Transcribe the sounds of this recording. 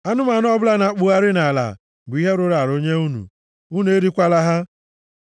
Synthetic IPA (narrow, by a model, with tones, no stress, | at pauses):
a˦nʊ˦m˦a˨n˦ɔ˦bʊ˦la˦na˨˦k͡pʊ˦ɣa˦ɾɪ˦na˨la̰˨ | bʊ˨˦i˦ɦe˦ɾʊ˦ɾa˨ɾo˦ɲe˦u˦nṵ˨ | u˦nu˨˦e˦ɾi˦kʷa˦la˦ɦa˦